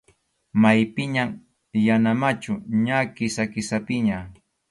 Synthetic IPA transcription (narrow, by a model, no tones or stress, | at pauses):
majpɪɲam | janamat͡ʃʊɲakɪsakɪsapɪɲa